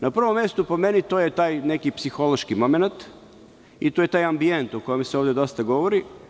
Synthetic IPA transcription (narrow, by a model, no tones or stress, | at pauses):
napr̩ʋomje̞st̪upo̞me̞nit̪ojet̪aːjne̞kipsixo̞lˠo̞ʃkimo̞menat̪ | it̪oje̞t̪aːjambie̞nt̪oko̞jemseoʋd̪e̞d̪o̞st̪aɡo̞ʋoɾi